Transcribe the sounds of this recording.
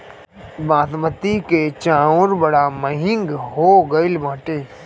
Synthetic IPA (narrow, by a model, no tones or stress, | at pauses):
bãːt̪mət̪iket͡ʃãːʊ̃ɾbəɽaməɦɪ̃ŋɡɦoːɡəɪlmãːʈẽː